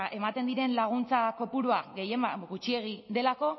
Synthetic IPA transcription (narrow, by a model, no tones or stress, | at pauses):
e̞mat̪e̞nd̪iɾe̞nlaɣ̞unt͡sako̞puɾuaɣe̞je̞maɣut͡ʃie̞ɣ̞id̪e̞lako̞